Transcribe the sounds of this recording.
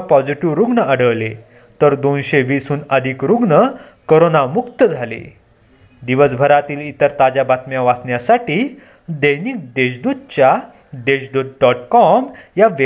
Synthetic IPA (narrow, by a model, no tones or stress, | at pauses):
pɔd͡ziʈiʋɾuɡɳəəɽəʋle | t̪əɾd̪onɕeʋiːsuːnəd̪ʱikɾuɡɳə | koɾonamukt̪əd͡zʱalḛ | d̪iʋəsbʱəɾat̪iːlit̪əɾt̪ad͡ʑabat̪mjaʋasɳjasaʈiː | d̪əjniːk̚d̪eɕ̬d̪ud̪̚t͡ɕja | d̪eɕd̪ud̪̚ɖɔʈkɔmjaʋe